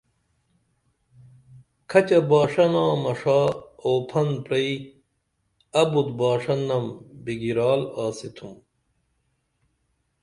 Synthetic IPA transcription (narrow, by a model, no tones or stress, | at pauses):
kʰɐt͡ɕɐbaːʂɐnãːmɐʂaːoːpʰɐnpɾɐi | ɐbud̪baːʂɐnːɐmbiɡiɾaːlaːsit̪ʰum